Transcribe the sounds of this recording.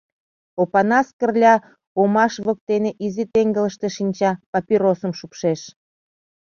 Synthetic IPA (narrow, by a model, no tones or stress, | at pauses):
opɑnɑskə̆rlʲɑ | omɑʃβə̆k̚t̪eneʔizit̪eŋɡələʃt̪eʃinʲt͡ɕɑpɑpiɾosəmʃupʃeʃ